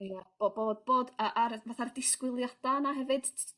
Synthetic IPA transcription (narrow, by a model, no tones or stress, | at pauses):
jab̥oboːd̚boːdəʔarvaθardɪskwɪlˠjad̥anaɦɛvɨd̥